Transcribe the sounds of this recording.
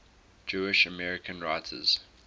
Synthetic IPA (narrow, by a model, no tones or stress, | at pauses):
d͡ʒuɪʃəmɛɹɪkʰə̃nɹaɪtʰə̰z̥